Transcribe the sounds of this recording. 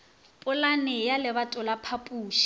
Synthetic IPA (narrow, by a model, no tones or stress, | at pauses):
pʼʊlanɪjalɪβatʼʊlapʰapʼuːʃi̥